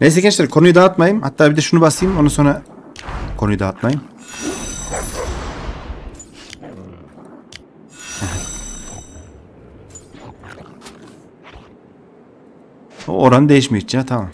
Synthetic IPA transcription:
nejs̬ekʲinʃt̪iɾkʰo̞nujud̪aːt̪majɯmha̰t̪ʰːaːbid̪ɛʃunubaslˠajɯmo̞naso̞nɾa | kʰonujud̪at̪majɯm | hɛɦɛ | o̰oɾanɯd̪ejiʃmiit͡ʃʰat̪ʰama̰m

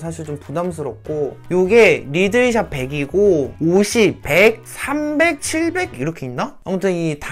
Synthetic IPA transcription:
sʰaɕ̬ʰiɭt͡ɕompudams̬ʰɯɾʌp̚k͈ojoɡe̞ɾidɯiɕ̬ʰape̞ɡiɡooɕʰippek̚s͈ʰambe̞k̚t͡ɕʰiɭbe̞ɡiɾʌkʰe̞inːaamotʰɯnita

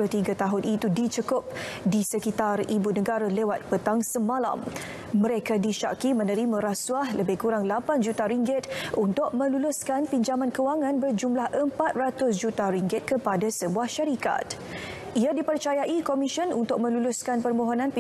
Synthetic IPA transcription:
ʊht̪iɡat̪aɦʊnit̪udit͡ʃəkʊp̚ | disəkit̪aribunəɡaɾalewat̪̚pət̪aŋsəmãla̰mː | ə̃ɾekadiʃa̰kimə̃nəɾimə̃ɾasuahləbɪhkuɾaŋlapand͡ʒut̪aɾiŋɡɪt̪unt̪ʊk̚mə̃lulʊskanpiɲd͡ʒamãnkəwaŋãnbərd͡ʒumlahəmpat̪̚rat̪ʊs̬d͡ʒut̪aɾiŋɡɪt̪̚kəpadasəbuahʃaɾika̰t̪̚ | iadipərt͡ʃajaʔikɔmiʃənunt̪ʊk̚mə̃lulʊskanpərmõɦonãnp

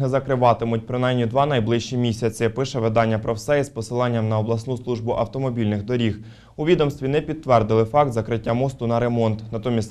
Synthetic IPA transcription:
ɪzɐkɾɪʋɑt̪ɪmʊt̚ʲpɾɪnɑjmnʲid̪ʋɑnɐjblˠɪʃt͡ʃimʲisʲɐt͡sʲɪpɪʃɛʋɪd̪ɑnʲːɐpɾɔwsɛjispɔsɪlˠɑnʲːɐmnɐɔblˠɐsnuslˠuʒbʊʔɐwt̪ɔmɔbʲilʲnɪxd̪ɔɾʲix | ʊʋʲid̪ɔmst̪ʋʲinɛpʲid̪̚t̪ːʋɛrd̪ɪlˠɪfɑk̚t̪zɐkɾɪtʲːamɔst̪ʊnɐɾe̞mɔnt̪nɐt̪ɔmʲisʲ

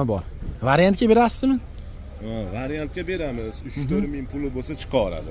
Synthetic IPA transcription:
bɒɾvaɾjant̪̚kʲabe̞ɾasɪ̥zmɪ | avaɾjant̪̚kʲabe̞ɾamɪz̥ʊt͡ʃt̪ʰɵɾmɪŋpʰʊlˠɪbosat͡ʃʰɨ̥qʰɑɒɾa̰d̪ɪ

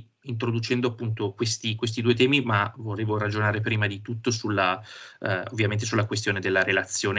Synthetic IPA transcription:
int̪ɾod̪ut͡ʃɛnd̪oapːunt̪okwest̪ikwes̬t̪id̪uet̪̬ɛːmimavoreːvoɾad͡ʒonaːɾepɾiːmad̪it̪ut̪ːosulːa | o̰vːjament̪esulːakwest̪joːned̪elːaɾelat̪sːjoːn

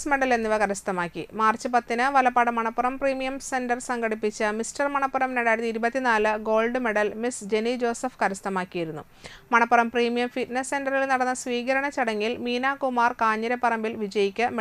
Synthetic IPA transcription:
sme̞ɽɐlenːiʋɐkɐɾɐst̪ɐmaːkːimaːrt͡ɕːɨpɐt̪ːinɨʋɐlɐpːaːɽɨmɐɳɐpːurɐmpriːmijɐmse̞ndɐrsɐŋɡɐɽipːit͡ɕːɨmistɐrmɐɳɐpːurɐmneɽaːjɾɐt̪ːiiɾubɐt̪ːinaːlɨɡo̞ːlɖɨme̞ɽɐlmisd͡ʑe̞nid͡ʑo̞ːsɐfkɐɾɐst̪ʰɐmaːkːijiɾunːu | mɐɳɐpːurɐmpriːmijɐmfiʈnesːe̞ndɐrilnɐɽɐnːɐsʋiːɣɐɾɐɳɐt͡ɕɐɽɐŋːilmiːnaːkumaːrkaːɲːɐɾɐpːɐrɐmbilʋid͡ʑɐjikʲːɨm

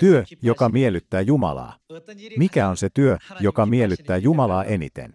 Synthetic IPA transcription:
t̪yøjo̞kɑmielyt̪ːæːjumɑ̰lɑ̰ːmikæo̞nse̞t̪yøjokɑmielːˑyt̪ːæːjumɑlɑːʔenḭt̪ḛn

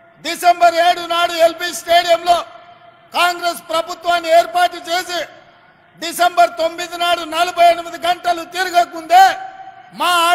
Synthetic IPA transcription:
ɖisembɐɾeːɽunaːɽuelpiːsʈe̞ːɽijɐmlo̞ː | kaːŋɡɾespɾɐbʱut̪ʋaːnːieːɾpaːʈlut͡ʃe̞ːsi | ɖisembɐɾt̪o̞mːid̪inaːɽunɐlɐbɐjenimid̪iɡɐɳʈɐlut̪iɾuɡɐkːund̪eːmaːa

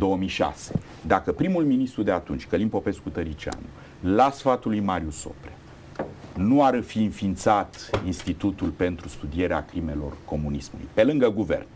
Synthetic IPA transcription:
d̪o̞əmijʃa̰se | d̪akəpɾimulminist̪ɾud̪e̞at̪unt͡ʃʲkəlinpo̞pe̞skut̪əɾit͡ʃia̰nṵ | lasfat̪ulujmaɾʲjuso̞̰pɾe | nuaɾfiɨnfint̪sat̪inst̪it̪ut̪ulpe̞nt̪ɾust̪ud̪ie̞ɾea̰kɾime̞lo̞̰rko̞munismulṵjpe̞lɨŋɡəɡuvḛrn

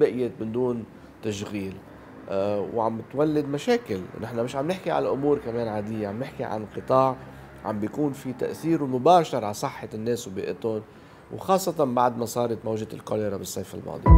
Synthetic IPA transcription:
bɪʔjɪt̪̚mɪnd̪uːn | t̪aʃɣiːl | wʕamːɪt̪walːɪd̪maʃeːkɪlnɪħnamɪʃʕamnɪħkiʕa̰lʔʊmuːɾkameːnʕaːd̪ɪjːaʕamnɪħkiʕa̰nqɨt̪ˤɑːʕ | ʕa̰mbjakuːnfit̪a̰ʔθiːɾwmʊbaːʃɑɾˤʕasˤɨħːanːeːswbḭːʔɪt̪ʊn | wxɑːsˤːɑt̪ɑnbaʕd̪masˤɑːɾˤɑt̪mawʒat̪ɪlkolɪɾˤabɪsˤːejfa̰lmʔɑ̰ːd̪ˤḭj

